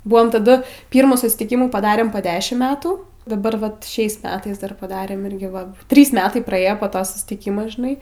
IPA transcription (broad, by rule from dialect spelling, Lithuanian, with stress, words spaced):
ˈbʊɐm tɐˈdʊ ˈpʲiːrmuː sʊsʲɪtʲɪˈkʲɪmuː pɐˈdɑːrʲeːm poː ˈdʲæːʃʲɪm ˈmʲæːtuː dɐˈbɐr ˈʋɐt ˈʃʲɛɪs ˈmʲæːtɐɪs ˈdɐr pɐˈdɑːrʲeːm ˈɪrʲɡʲɪ ʋɐ ˈtʲrʲiːs ˈmʲæːtɐɪ prɐˈeːjoː poː ˈtoː sʊsʲtʲɪˈkʲiːmoː ʒʲɪˈnɐɪ